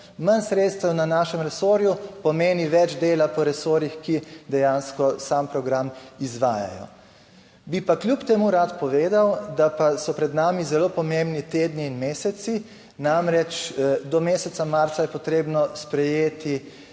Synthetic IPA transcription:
mansɾet̪st̪ɛwnanaːʃɛmɾɛsoːɾjupɔmeːniʋɛd͡ʒd̪eːlapɔɾɛsoɾixkid̪ɛjanskɔsampɾɔɡɾamizʋaːja̰jɔ̰ | bipaklʲjupt̪ɛmuɾat̪pɔʋeːd̪awd̪apasɔpɾɛd̪naːmizɛloːpɔmembnit̪eːd̪niːnmeːsɛt̪si | namɾɛt͡ʃd̪ɔmeːsɛt̪samaɾt̪sajɛpɔt̪ɾeːbnɔspɾɛjeːt̪i

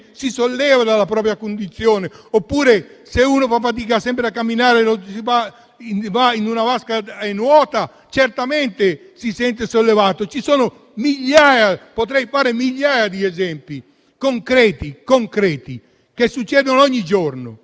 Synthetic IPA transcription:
sisolːɛːvad̪alːapɾɔːp̬ɾjakond̪it̪sːjɔːneopːuːɾeseuːnofafːat̪̬iːkasɛmpɾeakːamːinaːɾelosiva | invainunavaskaɛnwɔːt̪a | t͡ʃɛrt̪amɛnt̪e | sisɛnt̪esolːevaːt̪ot͡ʃisɔːno | miʎːaːjapot̪ɾɛjfaːɾemiʎːaːjad̪iɛzɛmpi | koŋkɾɛːt̪ikoŋkɾɛːt̪i | kesːut͡ʃːɛːd̪onoɔɲːid͡ʒɔrno̰

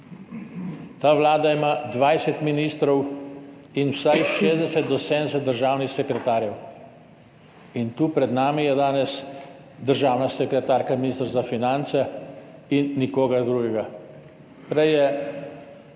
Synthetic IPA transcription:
t̪aːʋlaːd̪aimad̪ʋajsɛt̪miniːst̪ɾɔw | inwsajʃeːzd̪ɛsɛt̪̚d̪ɔsed̪nɛsɛt̪d̪əɾʒaːwnixsɛkɾɛt̪aːɾjɛw | int̪uːpɾɛd̪naːmijɛd̪aːnɛs | d̪əɾʒaːwnasɛkɾɛt̪aːɾkaminist̪ɾzafinant̪sɛinːikoːɡad̪ɾuːɡɛɡa | pɾɛjɛ

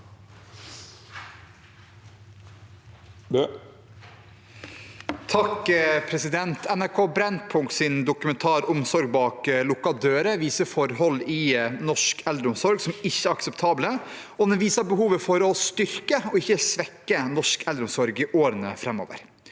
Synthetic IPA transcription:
t̪ʰɑkpʰɾɛsɪd̪ɛnt̪ʰɛnæɾkʰoːbɾɛnd̪̚pʰʊŋkt̪sɪnd̪ʊkʉmɛnt̪ʰɑːɾʊmsɔɾɡ̚bɑːklʊkɑd̪øːɾəʋiːsəfɔɾhɔlːɪnɔʂkɛld̪ɾəʊmsɔɾɡsɔmɪçːəæɾɑksɛpt̪ʰɑːblə | ɔd̪ɛnʋiːsɑbəhuːʋəfɔɾɔst̪ʏɾkəɔɪçːəsʋɛkːənɔʂkɛld̪ɾʊmsɔɾɡiʔoːɾənəfɾɛmo̰ːʋə̰ɾ

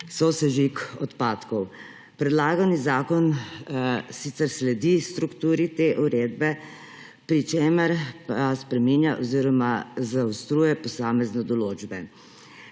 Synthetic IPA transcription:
sɔsɛʒikɔt̪paːt̪kɔw | pɾɛd̪laːɡanizaːkɔn | sit̪sɛɾslɛd̪ist̪ɾukt̪uːɾit̪eːʔuɾeːd̪bɛ | pɾit͡ʃeːməɾpaspɾɛminjaʔɔziːɾɔmazaust̪ɾuːjɛpɔsaːmɛznɔd̪ɔloːd͡ʒbɛ

